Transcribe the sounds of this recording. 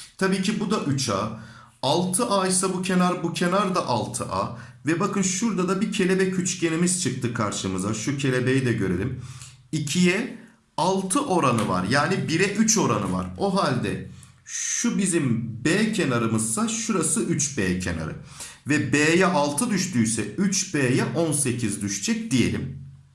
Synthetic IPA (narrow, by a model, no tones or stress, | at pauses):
t̪ʰabiːcʰibud̪aʔyt͡ʃʰa̰ː | alˠt̪ʰɯʔaisabucʰe̞naɾbucʰe̞naɾd̪aʔalˠt̪ʰɯʔa̰ː | vɛbakɯnʃuɾd̪ad̪abicʰe̞lʲe̞bɛcʰyt͡ʃcʰenimiz̥t͡ʃʰɯk̚t̪ʰɯkʰaɾʃɯmɯzaʃucʰe̞lʲe̞be̞jid̪ɛɟøɾe̞̰lʲim | icʰijɛ | alˠt̪ʰɯʔo̞ɾanɯva̰ɾjaːnibiɾɛʔyt͡ʃʰo̞ɾanɯva̰ɾo̞ɦalʲd̪ɛ̰ | ʃubizimbeːcʰenaɾɯmɯz̥saʃuɾasɯʔyt͡ʃbeːcʰḛna̰ɾɯ̰vɛbeːjɛʔalˠt̪ʰɯd̪yʃt̪yːjsɛyt͡ʃbeːjɛʔo̞nse̞cʰizd̪yʃd͡ʒʰɛc̚d̪ije̞̰lʲḭm